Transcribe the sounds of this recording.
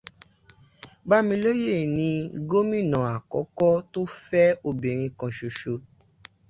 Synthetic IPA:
ba˦mĩ˧lo˦je˦˨nĩ˧ɡo˦mĩ˦˨nã˨a˨kɔ˨˦kɔ˦to˦fɛ˦o˧be˨ɾ̃ĩ˧kã˧ʃo˨ʃo˧

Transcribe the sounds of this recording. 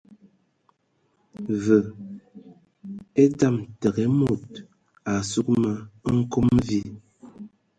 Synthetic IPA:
və˨ | e˦ta˦˨mtə˨ɡɛ˨˦mo˦˨t̚ | a˨su˦k̚ma˦ŋ̩˦ko˦mvi˦

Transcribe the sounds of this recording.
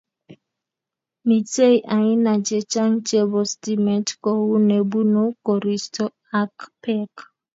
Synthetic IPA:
mi˨te˦i˨ʔa˨ɲɪ˦na˨d͡ʒe˨t͡ʃa˦n̩˦t͡ʃe˦bɔ˨sti˦mɛ˨tkɔ˨wu˦ne˨bu˦no˦kɔ˨ɾi˨stɔ˦ | a˦kpɛ˦k

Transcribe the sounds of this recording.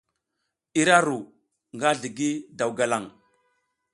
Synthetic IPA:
i˦ɾa˦ɾu˨ | ŋɡa˦ɮi˨ɡi˦da˨wɡa˨la˨ŋ

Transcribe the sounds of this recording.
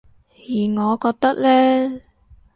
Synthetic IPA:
jiː˨˩ŋɔː˨˧kɔː˧k̚t̪ɐ˥k̚lɛː˥

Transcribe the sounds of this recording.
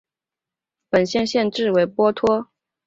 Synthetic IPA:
pə˨˩nɕjɛ˥˧nɕjɛ˥˧nʈ͡ʂɻ̩˥˩we˧˥ɪpwɔ˥t̪ʰwɔ˥

